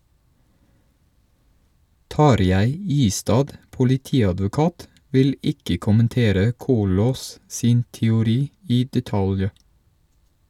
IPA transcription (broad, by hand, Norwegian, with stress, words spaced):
ˈtɑɾjæɪ ˈiːstɑːd pʊlɪˈtiːɑdʋʊˌkɑːt ˈʋɪl ˈɪkə kʊmənˈteːɾə ˈkuːloːs ˈsiːn tɛʊˈɾiː ˈiː dɛˈtɑlj